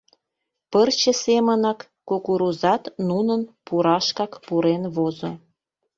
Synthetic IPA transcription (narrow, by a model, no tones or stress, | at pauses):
pərt͡ɕə̆semənɑkːokuɾuzɑt̪nunənpuɾɑʃkɑkpuɾenβozo